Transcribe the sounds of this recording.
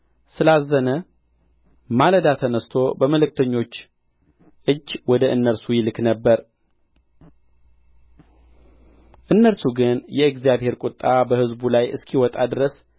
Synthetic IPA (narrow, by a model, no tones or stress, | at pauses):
sɨlazːənə | maləd̪at̪ʰənəst̪ʰo̞bəməlɨk̚t̪ʰəɲːo̞t͡ʃː | ʔɨd͡ʒːwɔd̪əʔɨnːəɾsujɪlɨknəbːəɾ | ʔɨnːəɾsuɡɨnjɛɨɡzijaβhe̞ɾkʼʊt̪ʼːabəhɨzbulajɨ̰skʰiwɔt̪ʼad̪ɨɾəs